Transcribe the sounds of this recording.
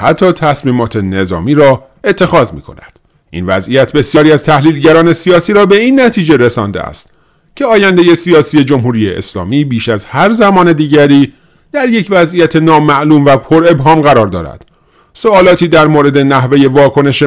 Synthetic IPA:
hæt̪ʰːɒːt̪ʰæsmiːmɒːt̪ʰe̞ne̞zɒ̰ːmiːɾɒː | e̞t̪ʰːe̞xɒːzmḭːkʰonæ̰d̪̥ | ʔḭːnvæzʔijæt̪ʰbe̞sjɒːɾiːæzt̪ʰæhliːlɟæɾɒːne̞sijɒːsiːɾɒːbe̞iːnːæt̪ʰiːd͡ʒe̞ɾesɒ̰ːnd̪ḛæ̰st̪ | cʰe̞ɒːjænd̪e̞je̞sijɒːsiːje̞d͡ʒo̞mɦuːɾiːjeʔḛslɒ̰ːmiːbiːʃæzhæɾzæmɒːne̞d̪iːɟæɾiː | d̪̥æɾje̞cʰvæzʔijæt̪ʰe̞nɒːmæʔluːmvæpʰo̞ɾe̞bɦɒːmɢæɾɒːɾd̪ɒ̰ːɾæ̰d̪̥ | soɒːlɒːt̪ʰiːd̪æɾmoːɾe̞d̪e̞næɦve̞je̞vɒːkʰo̞ne̞ʃe

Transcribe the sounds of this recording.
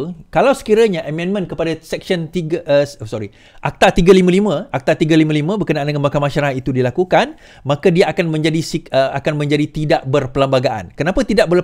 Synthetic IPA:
kalawsə̥kiɾaɲaʔəmɛ̃nmə̃nkəpadasɛk̚sənt̪iɡʔssɔɾi | ʔak̚t̪at̪iɡalimə̃limə̃ʔak̚t̪art̪iɡalimãlimə̃bərkənaʔandəŋanbakamãʃaɾaɦat̪it̪udilakukan | mãkadiaakanmə̃ɲd͡ʒadisiəakanmə̃ɲd͡ʒadit̪idaʔbərpəlambaɡaʔa̰nkənapət̪idaʔ̚bə

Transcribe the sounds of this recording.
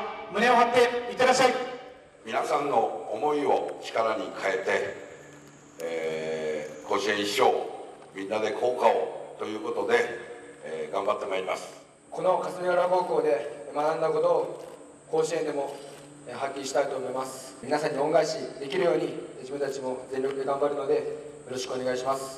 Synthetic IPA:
mɯ̟ne̞oɦat̪ːe̞it̪ed̪aɕai | mʲinasãnːo̞ːmo̞io̞t͡ɕi̥kaɾaɲikʰae̞t̪e̞ | koːɕiẽɕo̞ː | mʲĩnːad̪e̞kʰo̞ːkaot̪o̞jɯ̟ːko̞t̪o̞d̪e̞ | ɡãmbat̪ːe̞maɾima̰sɨ̥ | ko̞no̞kasɨɾiaɾako̞ːko̞ːd̪e̞manãnd̪ako̞t̪o̞ː | ko̞ːɕiẽ̞nd̪e̞mo̞ | ɦakʲːiɕi̥t̪ait̪o̞ːmo̞imasɨ̥ | mʲinasãɲ̟ːioŋɡaiɕid̪e̞kʲiɾɯjo̞ːɲ̟id͡ʑibɯ̟nt̪at͡ɕimo̞d͡zẽ̞ɾʲɾʲjo̞kɯ̟d̪e̞ɡãmbaɾɯ̟no̞d̪e̞joɾo̞ɕi̥kɯone̞ɡaiɕimasɨ̥

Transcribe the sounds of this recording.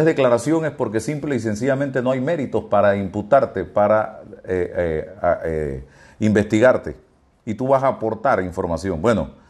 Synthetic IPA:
ðe̞klaɾasjo̞ŋe̞spo̞ɾk̬e̞simple̞is̬e̞ns̬iʝamẽ̞nt̪e̞no̞ajme̞ɾit̪o̞spaɾaimput̪aɾt̪e̞paɾaeee | imbe̞st̪iɣaɾt̪e̞̰ | it̪uβasaːpo̞ɾt̪aɾiɱfo̞ɾmasjo̞ŋbwe̞no̞̰

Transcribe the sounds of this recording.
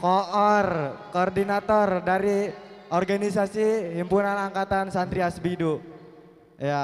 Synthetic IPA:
kɔɔrkɔːrdinat̪ɔrdaɾiɔrɡanisasiɦimpunanaŋkat̪ansand̪ɾiasbidu | ja

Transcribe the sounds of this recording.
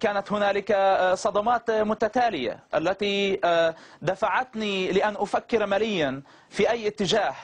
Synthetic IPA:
kaːnat̪hʊnaːlɪkasˤɑd̪ɑmɑːt̪mʊt̪at̪aːlɪja̰ʔa̰lːat̪i | d̪afaʕat̪nilɪʔanʔʊfakːɪɾmalɪjːan | fiʔajːʔɪt̪ːɪd͡ʒaːh

